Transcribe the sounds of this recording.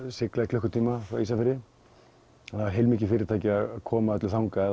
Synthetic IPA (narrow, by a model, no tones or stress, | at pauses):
sɪklaɪkʰlœhkʏ̥t̪ʰiːmafɾawiːsafɪɾːɪ | nhaɪɾɦejlmiːcɪfɪːɾɪɾt̪ajcɪaðakʰɔːmaœt̪lɪθawŋkaɛ